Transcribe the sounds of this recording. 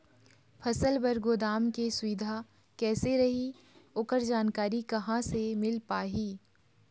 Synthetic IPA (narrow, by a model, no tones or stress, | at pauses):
pʰɐsəlbɐɾɡoːd̪aːmkeswiːd̪ʱa | kɛːseɾɐɦi | oːkəɾd͡ʒaːnkaːɾikɐɦãsemɪlpaːɦiː